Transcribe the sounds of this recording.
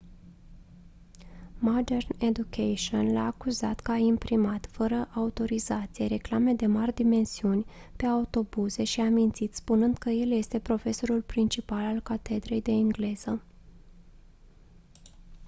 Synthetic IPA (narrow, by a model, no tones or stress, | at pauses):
mad̪e̞rned̪ukʰejʃionla̰ːkuza̰t̪kəaimpɾimat̪fəɾəʔaut̪o̞ɾizat̪sijeɾe̞klame̞d̪e̞marʲd̪ime̞nsiunʲ | pe̞aut̪o̞buze̞ʃiamint̪it̪spunɨnd̪kəje̞lje̞st̪e̞pɾo̞fe̞so̞ɾulpɾint͡ʃipalalkat̪e̞d̪ɾe̞jd̪e̞iŋɡle̞z̥ə